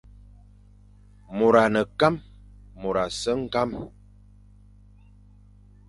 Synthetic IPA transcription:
mo˨ɾa˨nə˨ka˦mː | o˨ɾa˨sə˦ŋ̩˦ka˦m

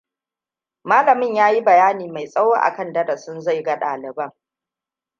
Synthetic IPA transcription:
maː˦lɐ˨mɪ˦˨ɲjaː˦ji˦bɐ˨jaː˦niː˨ma˨jsʼɐ˦wo˦ʔa̰˨kɐ˦ndɐ˦da˨sʊ˦nza˦˨jɡa˦ɗa̰ː˨lɪ˨bɐ˦ŋ

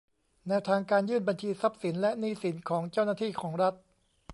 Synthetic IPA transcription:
nɛ˧wt̪ʰaː˧ŋkaː˧njɯː˥˩nba˧nt͡ɕʰiː˧sa˦˥p̚si˩˦nlɛ˦˥niː˧˩si˩˦nkʰɔː˩˦ŋt͡ɕa˥˩wnaː˥˩t̪ʰiː˥˩kʰɔː˩˦ŋɾa˦˥t̪̚

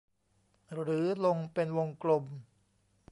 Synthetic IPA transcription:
ɾɯː˩˦lo˧ŋpe˧nwo˧ŋklo˧m

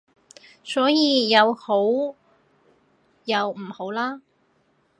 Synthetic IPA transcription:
sɔː˨˥jiː˨˧jɐ˨˧who˨˥w | jɐ˨˧wm̩˨˩ho˨˥wlaː˥

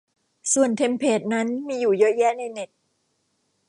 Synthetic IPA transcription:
su˨˩ənt̪ʰe˧mpʰeː˨˩t̪̚na˦˥nmiː˧juː˨˩jɤ˦˥jɛ˦˥na˧jne˨˩t̪̚

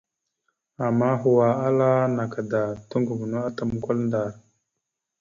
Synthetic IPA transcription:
a˨mːa˦ɦu˨wa˨a˦la˦na˨ka˨da˨tu˦ŋɡu˨ɡu˨nu˦a˦ta˦˨m˦ko˦lnda˨ɾ

